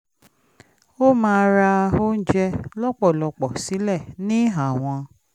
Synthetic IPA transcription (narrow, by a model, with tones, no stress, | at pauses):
o˦mãː˧ɾa˧o˦n̩˦d͡ʒɛ˧lɔ˦k͡pɔ˦˨lɔ˧k͡pɔ˨si˨˦lɛ˦˨nĩ˦a˦˨w̃ɔ̃˧